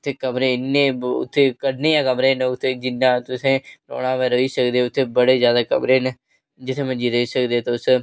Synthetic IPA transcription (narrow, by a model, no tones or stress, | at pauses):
ʊt̪ʰːeːkəmɾẽːɪnːeːʊ̰t̪ʰːeːkəɖneːjãːkəmɾẽːnʊt̪ʰːeːd͡ʒɪnːãːt̪ʊsẽːɾo̰ːɽãːʋɛːɾəiːsəkd̪eːʊt̪ʰːeːbəɽeːzjaːd̪aːkə̰mɾeːn | d͡ʒɪt̪ʰːẽːmə̃d͡ʒiːɾəiːsəkd̪eːt̪ːʊs